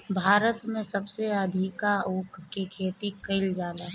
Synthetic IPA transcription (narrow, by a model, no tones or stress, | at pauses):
bʱaːɾət̪mẽsɐbseɐd̪ʱɪkaukkikʰeːt̪ikəɪld͡ʒaːla